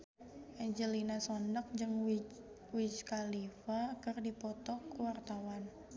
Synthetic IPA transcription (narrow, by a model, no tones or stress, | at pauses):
ʔɛɲd͡ʒəlinasɔndək̚d͡ʒɨŋ | wit͡ʃkalifakɨrdipɔt̪ɔkuwart̪awan